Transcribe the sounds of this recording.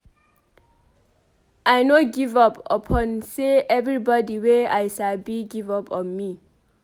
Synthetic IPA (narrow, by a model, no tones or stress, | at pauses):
ajnoɡivʌpə̰pʰɔ̃nseʔɛvɹibɔdiweajʃalbiɡivʌpʰɔ̃nmi